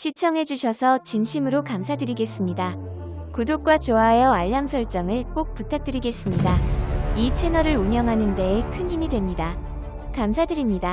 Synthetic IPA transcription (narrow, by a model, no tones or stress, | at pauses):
ɕʰit͡ɕʰʌŋɦe̞d͡ʑuɕʰjʌsʰʌt͡ɕinɕʰimɯɾokamsʰadɯɾiɡe̞s͈ɯmɲida | kudok̚k͈wat͡ɕoajʌaʎːamsʰʌɭt͡ɕ͈ʌŋɯɭk͈ok̚p͈utʰak̚t͈ɯɾiɡe̞s͈ɯmɲidait͡ɕʰe̞nʌɾɯɾuɲʌŋɦanɯnde̞ːkʰɯnçimidwe̞mɲida | kamsʰadɯɾimɲida